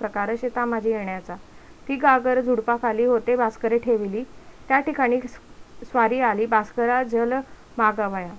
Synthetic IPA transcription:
pɾəkaɾəɕet̪amad͡ʑʱiːjeɳjat͡sa | t̪iːɡaɡəɾd͡zʱuɽpakaliːɦot̪ebaskəɾeʈʰeʋliːt̪jaʈikaɽ̃iːsʋaɾiːaliːbaskəɾad͡zəl | maɡaʋaja

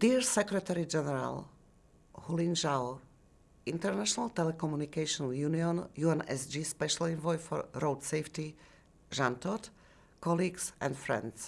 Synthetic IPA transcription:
d̥̪iɹsɛkɾɛt̪ɛɾid͡ʒɛnɛɾa̰l | hulĩnʒaw | ĩnt̪ɛɾnaʃɔnalt̪ɛlɛkɔmjunikɛʃɔ̃njuniɔ̃njuːɛnɛ̰sd͡ʒispɛʃalĩnvɔjfɔ̰ɹɾoʊdsɛɪft̪i | ʒãnt̪ɔt̪ | kɔliɡsɛ̰̃ntfɾɛ̰̃nd̪s

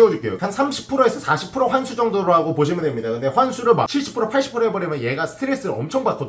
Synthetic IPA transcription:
eodek͈ejo̰ansʰamɕʰi̥pʰɯɾoesʰʌsʰaɕʰi̥pʰɯɾoɸwansʰud͡ʑʌŋdoɾoɦaɡopoɕ̬ʰimɯndemɲidakɯnde̞ɸwansʰuɾɯɭma̰t͡ɕʰiɭɕ͈ʰi̥pʰɯɾopʰaɭɕ͈i̥pʰɯɾoebʌɾemjʌnje̞ɡasʰɯ̥tʰɯɾes͈ɯɾʌmt͡ɕʰʌŋbat̚k͈ʰod

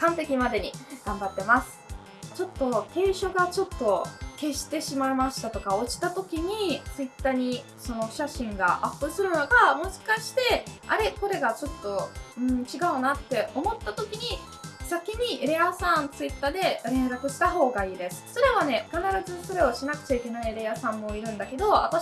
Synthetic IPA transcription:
kãnt̪e̞kʲimad̪e̞ɲ̟iɡ̥ãmbat̪ːe̞masɨ̥ | t͡ɕo̞t̪ːo̞ke̞ːɕo̞ɡat͡ɕo̞t̪ːo̞ke̞ɕi̥t̪e̞ɕimaimaɕi̥t̪at̪o̞kao̞t͡ɕi̥t̪at̪o̞kʲiɲ̟it͡sɨit̪ːaɲ̟i | so̞no̞ɕaɕĩŋɡa̰ʔapːɯ̟sɨɾɯ̟noɡamo̞ɕi̥kaɕi̥t̪e̞a̰ɾe̞ko̞ɾe̞ɡat͡ɕo̞t̪ːo̞ɯ̟̃ɴt͡ɕiɡaɯ̟nat̪ːe̞o̞mo̞t̪ːat̪o̞kʲiɲ̟i | sakʲiɲ̟iɾe̞jasãnt͡sɨit̪ːaːd̪e̞ɾẽ̞nɾakɯ̟ɕi̥t̪aɦo̞ːɡaiːd̪e̞sɨ̥soɾaβane̞kanaɾazɨso̞ɾe̞o̞ɕinakɯ̟̥t͡ɕaike̞naiɾe̞asãmːo̞iɾɯ̟̃nd̪ake̞d̪o̞a̰t̪a

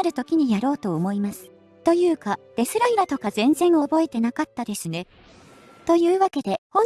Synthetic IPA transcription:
ɾɯ̟t̪o̞kʲiɲ̟ijaɾo̞ːt̪o̞ːmo̞imasɨ̥ | t̪o̞jɯ̟ːkad̪̥e̞sɨɾaiɾat̪o̞kazẽ̞nd͡zẽ̞ɴ̃o̞bo̞e̞t̪e̞nakat̪ːad̪e̞sɨne̞ | t̪o̞jɯ̟ːβake̞d̪e̞ho

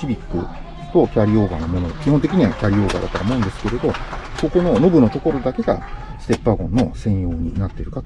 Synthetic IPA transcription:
ibʲikːɯ̟̰ | t̪o̞kʲaɾʲio̞ːɡa̰namenokʲiɦõnt̪e̞kʲiɲ̟iβakʲaɾʲio̞ːɡa̰ːd̪a̰t̪oaomo̞ɯ̃nd̪e̞sɨ̥ke̞ɾe̞d̪o̞ko̞ko̞no̞no̞bɯ̟no̞t̪o̞ko̞ɾo̞d̪ake̞ɡa̰ | sɨ̥t̪e̞pːaɡõ̞nːo̞sẽ̞ɰ̃jo̞ːɲ̟ḭnat̪ːeɾɯ̟ka

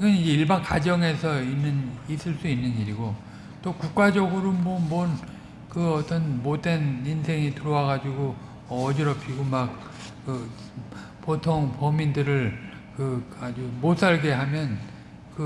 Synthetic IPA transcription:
ɡʌniɭbankad͡ʑʌŋe̞sʰʌinːɯnis͈ʰɯɭs͈uinːɯɲiɾiɡo | t͈okuk̚k͈ad͡ʑʌɡɯɾomʌmʌn | kɯʌt͈ʌnmoteninsʰe̞ŋitɯɾʌwaɡad͡ʑiɡo | ʌʌd͡ʑiɾʌpʰiɡomak̚ | kɯ | potʰoŋpʌmindɯɾɯɭ | kɯad͡ʑumos͈aɭɡe̞ɦamjʌn | kɯ

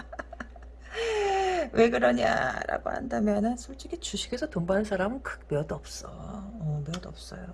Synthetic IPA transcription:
we̞ɡɯɾʌɲa̰ɾa̰ɡo̰ɦa̰ndamjʌnɯnsʰuɭt͡ɕ͈iɡit͡ɕuɕʰi̥ɡʰe̞sʰʌtombanɯnsʰaɾamɯnkʰɯ̥k̚mjʌduʌp̚s͈ʌʌmjʌduʌp̚s͈ʌjo

